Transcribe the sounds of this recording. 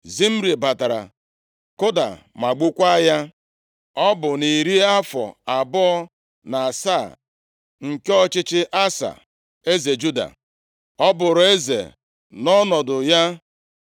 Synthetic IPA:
zi˦m̩˦ɾi˨ba˨ta˨ɾa̰˨ | kʊ˦da̰˨ma˨ɡ͡bu˦kʷa˦ja˦ | ɔ˦bʊ˨ni˨ɾi˦a˦fɔ̰˨a˨bɔ˦ɔ˦ | na˨a˨saː˦˨ | ŋ̩˨ke˦ɔ˦t͡ʃɪ˦t͡ʃɪ˦ʔa˦sa̰˨ | e˦ze˨d͡ʒu˦da̰˨ | ɔ˦bʊ˨ɾe˦zḛ˨ | nɔ˦nɔ˨dʊ˨ja˦

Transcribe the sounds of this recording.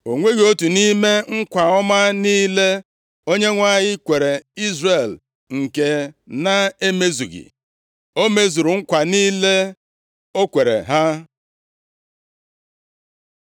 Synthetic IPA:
o˨ŋʷe˦ɣo˦tu˨ni˦me˦ŋ̩˦kʷa˨ɔ˦ma˦niː˦le˦ | o˦ɲe˦ŋʷa˦˨ɲɪ˦kʷe˨ɾe˨i˦zre˨l | ŋ̩˨ke˨na˦e˦me˦zu˨ɣḭ˨ | o˦me˦zu˨ɾu˨ŋ̩˦kʷa˨niː˦le˦ | o˦kʷe˨ɾḛ˨ɦa˦

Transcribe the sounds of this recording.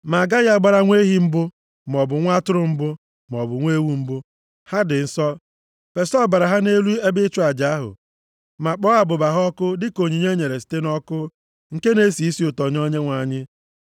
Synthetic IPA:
ma˨ɡa˦ja˦ɡ͡ba˦ɾa˦ŋʷe˦ɦi˦m̩˦bʊ˦ | m˨ɔ˨bʊ˨ŋʷa˦tʊ˦ɾʊ˦m̩˦bʊ˦ | m˨ɔ˨bʊ˨ŋʷe˦wu˦m̩˦bʊ˦ | ha˦dɪ˨n̩˨sɔ˦ | pe˨sɔ˦˨ba˨ɾa˨ɦa˦ne˦lu˦e˦bɪ˦t͡ʃʊ˦a˨d͡ʒa˨a˦ɦʊ̰˨ | ma˨k͡pɔ˦a˨bʊ˨ba˨ɦɔ˦kʊ˦dɪ˦ko˨ɲi˨ɲe˦ɲe˨ɾe˨si̥˨te˦nɔ˦kʊ˦ | ŋ̩˨ke˦ne˦si˨i˦si˦ʊ˨tɔ˨ɲ˦ɔ˦ɲe˦ŋʷa˨ɲɪ˦

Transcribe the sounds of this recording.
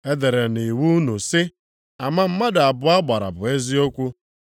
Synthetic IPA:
e˦de˨ɾe˨ni˨wu˦nu˨sɪ˦ | a˨ma˦m̩˦ma˦da˨bʊ˨a˦ɡ͡ba˨ɾa̰˨bʊ˨e˦zi˦o˦kʷu˦

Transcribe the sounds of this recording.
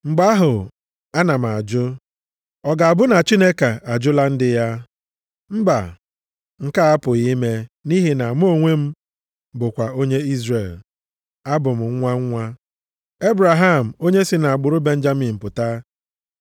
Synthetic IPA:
ŋ͡m̩˨ɡ͡ba˦a˦ɦʊ˨ | a˦na˨m̩˨a˨d͡ʒʊ˦ | ɔ˨ɡa˨a˨bʊ˦na˨t͡ʃi˦ne˦ka˨a˨d͡ʒʊ˦la˦n̩˦dɪ˦ja˦ | m̩˦ba̰˨ | ŋ̩˦˨ka˦a˦pʊ˨ɣi˦me˦ni˦ɦi˨na˨m˦o˦˨ŋʷe˦m̩˦ | bʊ˨kʷa˨o˦ɲe˦i˦zre˨l | a˦bʊ˨m̩˨ŋ̩˦ŋʷa˦ŋ̩˦ŋʷa˦ | e˦bɾa˨ɦa˦˨m̩˨o˦ɲe˦si˨na˨a˨ɡ͡bʊ˨ɾʊ˦be˦n̩˦d͡ʒa˦mi˨m̩˨pʊ˨ta˦

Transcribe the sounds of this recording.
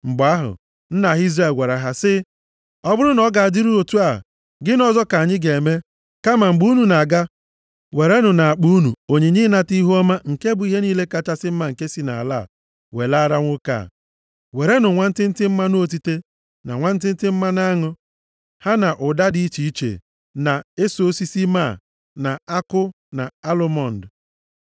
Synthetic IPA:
m̩˨bʊ˨a˦ɦʊ̰˨ | n̩˦na˨ɦi˦zra˦˨e˨lɡʷe˨ɾa˨ɦa˦sɪ˦ | ɔ˦bʊ˦ɾʊ˦nɔ˦ɡa˨a˨di˦ɾu˦o˨tu˦a̰˨ | ɡɪ˦nɔ˨zɔ˦ka˨ɲɪ˦ɡe˨me˦ | ka˦ma˨m̩˨ɡ͡bu˦nu˨na˨ɡa˦ | we˨ɾe˦nʊ˨na˨a˨k͡pu˦u˦nu˨o˨ɲe˨ɲɪ˦na˦ti˦ɦɔ˦ma˦ŋ̩˨ke˦bʊ˨˦i˦ɦe˦niː˦le˦ka˦t͡ʃa˦sɪ˦m̩˦ma˦ŋ̩˨ke˦si˨na̰˨a̰˨la˦˨ | we˨la˦ɾa˦ŋʷʊ˦ka̰˦˨ | we˨ɾe˦nʊ˨ŋʷa˦n̩˦tɪ˦n̩˦tɪ˦m̩˦ma˦no˦t̬i˦te˦ | na̰˨ŋʷa˦n̩˦t̬ɪ˦n̩˦tɪ˦m̩˦ma˦na˦ŋʊ˦ | ha˦na˨ʔʊ˨da˦di˨˦i˦t͡ʃi˨i˦t͡ʃḛ˨ | na˨e˦so˨˦si˦si˦ma̰˦˨ | na˨a˦kʊ˦ | na˨a˦lo˦mɔ˦˨n̩˨d

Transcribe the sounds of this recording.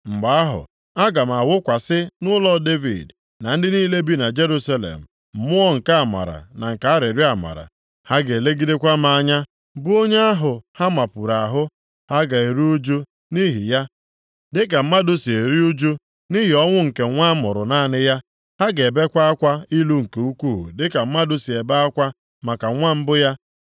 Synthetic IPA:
m̩˨ɡ͡ba˦a˦ɦʊ̰˨ | a˦ɡa˨m˨a˨wʊ˦kʷa˨sɪ˦nʊ˦lɔ˦de˦vḭ˨d | na˨n̩˦dɪ˦niː˦le˦bi˦na˨d͡ʒe˦ɾu˦sa˦lḛ˨m̩˨ | m̩˨mʊ˦ɔ˦ŋ̩˨ka˦a˨ma̰˨ɾa̰˨na˨ŋ̩˨ka˨a˦ɾe˨ɾi˦a˨ma̰˨ɾa̰˨ | ha˦ɡe˨e˨le˦ɡi˦de˦kʷa˦m˦a˨˦˨ɲa˦ | bu˦o˦ɲe˦a˦ɦʊ˨ha˦ma˨pu˨ɾa˨ɦʊ˦ | ha˦ɡa˨e˨ɾi˦u˦d͡ʒu˦ | ni˦ɦi˨ja˦ | dɪ˦k̬a˨m̩˦ma˦dʊ˦si˨e˨ɾi˦u˦d͡ʒu˦ | ni˦ɦi˨ɔ˦ŋʷʊ˦ŋ̩˨ke˨˦ŋʷa˦mʊ˨ɾʊ̰˨naː˦˨nɪ˦ja˦ | ha˦ɡe˨be˦kʷa˦a˦kʷa˦i˦lu˦ŋ̩˨ke˨u˦kʷuː˦˨ɦṵ˨dɪ˦ka˨m̩˦ma˦dʊ˦si˨e˨ba˦a˦kʷa˦ | ma˨ka˨ŋʷa˦m̩˦bʊ˦ja˦

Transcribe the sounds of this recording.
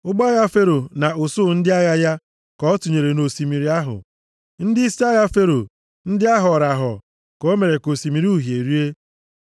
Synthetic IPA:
ʊ˦ɡ͡ba˦ɣa˦fe˦ɾo˨na˨ʊ˨sʊ˦˨n̩˦dɪ˦a˦ɣa˦ja˦ | kɔ˦ɔ˦tu˨ɲe˨ɾe˨no˨si˨mi˨ɾi˦a˦ɦʊ̰˨ | n̩˦dɪ˦sa˦ɣa˦fe˦ɾo˨ | n̩˦dɪ˦a˦ɦɔ˨ɾa˨ɦɔ̰˨ | kɔ˦me˨ɾe˨ko˨si˨mi˨ɾi˦u˦˨ɦje˨ɾi˦e˦

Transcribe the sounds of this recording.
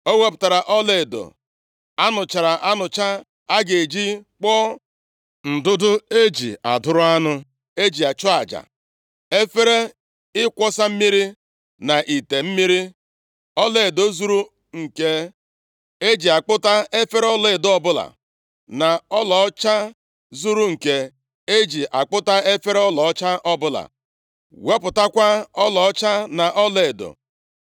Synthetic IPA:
o˦we˦p̬ʊ̥˨ta˨ɾa˨ʔɔ˦le˨do̰˨ | a˦nʊ˨t͡ʃa˨ɾa˨ʔa˦nʊ˨t͡ʃa˦ | a˦ɡe˨e˨d͡ʒi˦k͡pɔ˦ | n̩˨dʊ˦dʊ˦e˦d͡ʒḭ˨a̰˨dʊ˦ɾʊ˦a˦nʊ˦ | e˦d͡ʒi˨a˨t͡ʃɔ˦a˨d͡ʒa̰˨ | e˦fe˦ɾe˦ | ɪ˦kʷɔ˦sa˦m̩˦mi˦ɾi˦ | na˨ʔi˨te˨m̩˦mi˦ɾi˦ | ɔ˦le˨e˨do˦zu˦ɾu˦ | ŋ̩˨ke˦ | e˦d͡ʒi˨a˨k͡pʊ˦ta˦e˦fe˦ɾe˦ɔ˦le˦e˨dʊ˨˦ɔ˦bʊ˦la̰˨ | na˨ɔ˦lɔ˨˦t͡ʃa˦ | zu˦ɾu˦ŋ̩˨ke˨ | e˦d͡ʒi˨ʔa˨k͡pʊ˦ta˦e˦fe˦ɾe˦ɔ˦lɔ˨ɔ˦t͡ʃa˦ʔɔ˦bʊ˦la̰˨ | we˦pʊ˨ta˦kʷa˦ɔ˦lɔ˨˦t͡ʃa˦na˨ʔɔ˦le˦e˨do̰˨

